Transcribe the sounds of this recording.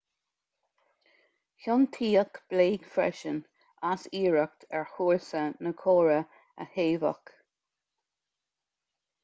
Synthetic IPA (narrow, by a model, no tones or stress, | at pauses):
çʊnt̪ʰiːəkb̥leːɡfɹɛ̰ʃən | asiːɹək̚t̪ʰɛɹhuːlsənəkʰoːɹə | ə̰heːvə̰k